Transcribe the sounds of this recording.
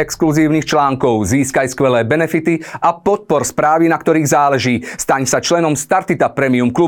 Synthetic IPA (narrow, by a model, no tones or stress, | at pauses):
ɛkskluziːʊnixt͡ʃlaːŋkɔʊziːskajskʋɛlɛːbɛnɛfit̪iapɔt̪̚pɔɾspɾaːʋinakt̪ɔɾiːɣzaːlɛʒiːst̪aɲsat͡ʃlɛnɔmst̪aɾt̪it̪apɾɛmiumklu